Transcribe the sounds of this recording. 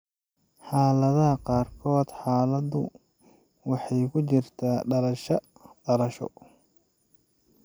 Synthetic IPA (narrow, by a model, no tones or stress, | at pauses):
ħɑːlɐðɐɦɐqɑːrkʰɔːd̪̥ħɑːlɐd̪ʊ̰ | wɑħɑjkʰʊt͡ʃɪrt̪ʰaːɖɐlɐʃɐ | ɖɐlɐʃɔ̰